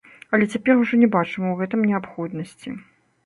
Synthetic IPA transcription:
ɐlʲɛt͡sʲapʲɛruʐɔnʲɛbat͡ʂɨmɐwɣɛt̪ɨmnʲɛapxɔd̪nɐsʲt͡sʲḭ

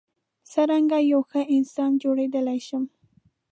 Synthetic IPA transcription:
saɾaŋɡajawxəʔɪnsɑnd͡ʒoɽed̪əlajʃəm

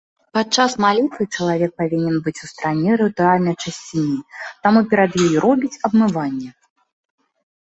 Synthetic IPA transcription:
pat̪t͡ʂːasmalʲit̪vɨt͡ʂɐlˠavʲɛk̚pavʲinʲɛnbɨt͡sʲust̪ɾanʲɛɾɨt̪ualʲnɐjt͡ʂɐsʲt͡sʲinʲit̪amupʲɛɾad̪jɔjiɾɔbʲit͡sʲɐbmɨvanʲːɛ

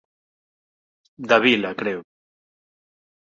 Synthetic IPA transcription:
d̪aβilakɾɛw

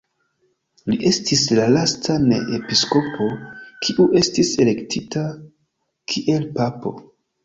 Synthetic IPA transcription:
liʔe̞stislalastanḛʔepisko̞pʰo̞kʰiʔuʔe̞stise̞le̞ktʰita | kʰiʔe̞lpapo̞̰

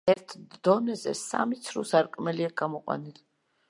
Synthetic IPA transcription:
ɛɾt̪ʰd̪̥ɔnɛzɛ̰sa̰mit̪sʰɾṵsaɾkʼmɛliaɡamɔqʼwa̰nil

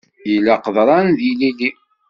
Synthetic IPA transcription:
jəlːaqðˤɾˤɑnðilili

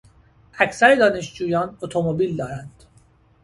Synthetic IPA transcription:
ʔæcʰsæɾed̪ɒːne̞ʃd͡ʒuːjɒːnot̪ʰomobiːld̪ɒːɾænd̪̥

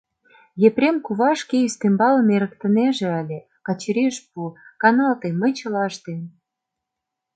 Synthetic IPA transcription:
jeprʲemkuβɑʃkeyst̪embɑlə̆meɾə̆kt̪ə̆neʒĕɑlʲe | kɑt͡ɕəɾeʃp̚ukɑnɑlt̪emːə̆jt͡ɕə̆lɑʃt̪em

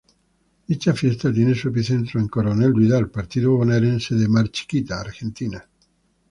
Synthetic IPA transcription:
d̪it͡ʃafjest̪at̪jenesuep̬iθent̪ɾoeŋkoɾoneldwiðalpaɾt̪iðoβoneɾenseðemaɾt͡ʃi̥kit̪aːɾxent̪ina

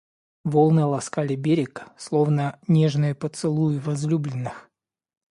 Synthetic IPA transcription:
volˠnɨjəlˠɐskalʲɪbʲeɾʲɪkslˠo̞vnənʲeʐnɨjʊpət̪sɨlˠujʊvɐzlʲublʲɪnːɨx

